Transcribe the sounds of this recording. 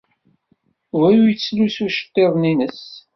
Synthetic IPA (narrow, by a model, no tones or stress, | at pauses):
væjujət͡sːlusuʃə̥t̪ːeðˤninəs